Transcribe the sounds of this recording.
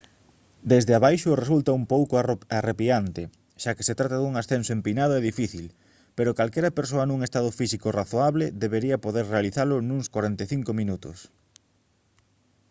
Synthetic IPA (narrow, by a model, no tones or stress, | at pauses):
d̪ezðeaβajʃʊresult̪aumpowkoarepiant̪e | ʃake̥set̪ɾat̪aðuŋasθensoempinað̞oeðifiθil | peɾokalkɛɾɐpeɾs̬oɐnũŋest̪að̞ʊfisikoraθoaβleðeβeɾiɐpoðeɾrealiθalʊnuŋskwaɾent̪eθiŋkomĩnut̪ʊ̰s